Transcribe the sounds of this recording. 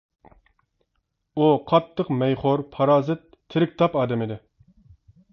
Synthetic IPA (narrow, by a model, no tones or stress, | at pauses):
uqʰɑt̪ʰːəqmɛjχoɾpʰɑɾɑːzɨt̪ʰːɪɾɪk̚ʲt̪ʰɑpɑːd̪ɛmɪd̪ɪ